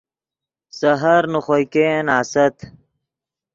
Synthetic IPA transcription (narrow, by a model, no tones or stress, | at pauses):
sɐɦɐɾnuχojkeːnaːsɐt̪